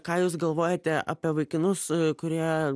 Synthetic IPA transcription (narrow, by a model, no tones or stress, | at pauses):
kɑːjuːsɡɐlˠʋoːjɛt̪ʲɛʔɑ̰ːpʲiɛʋɐɪkʲɪnʊskʊɾʲiɛ